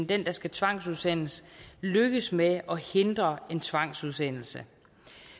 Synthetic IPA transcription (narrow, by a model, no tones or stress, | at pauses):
nd̥en̰d̥ɑ̈sɡ̥æt͡sʰʋɑ̈ŋ̰suð̞ˠsen̰l̩sløɡ̥əsmeʔɒ̽he̝nd̥ʁɐe̝nt͡sʰʋɑ̈ŋ̰suðˠsen̰l̩sə